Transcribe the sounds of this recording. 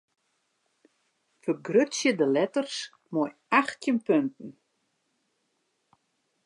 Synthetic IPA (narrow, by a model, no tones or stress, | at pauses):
fərɡrøtsjədəlɛtərs | mɔjaxtjənpøntn̩